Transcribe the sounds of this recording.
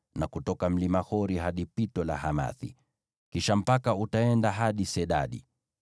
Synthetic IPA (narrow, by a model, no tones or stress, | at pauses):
nakutɔkam̩limahɔɾiɦaɗipitɔla̰hama̰θḭ | kiʃam̩pakautaɛndaɦaɗisɛɗa̰ɗḭ